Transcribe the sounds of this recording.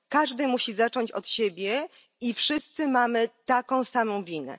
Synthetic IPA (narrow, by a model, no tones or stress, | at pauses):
kaʐd̪ɘmuɕizat͡ʂɔɲt͡ɕɔt̪ɕebʲjɛ | ifʂɘst̪sɘmamɘt̪akɔ̃w̃samɔ̃w̃vʲinɛ̰